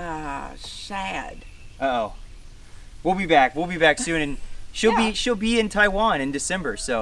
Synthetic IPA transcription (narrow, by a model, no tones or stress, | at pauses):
ʌsæd̥ | ʔoʊ | wilˠbibækwilˠbibæksʉ̃nɨ̃nʃilˠbiʃilˠbiɪ̃ntʰaɪwɑ̃nɨ̃ndɨsɛ̃mbə˞soʊ